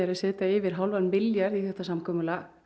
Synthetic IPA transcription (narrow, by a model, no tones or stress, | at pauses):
aɾaðsɛːt̪aɪvɪɾ̥ɦawlvanpɪljaɾðiθɛht̪ːasamkʰɔːmʏla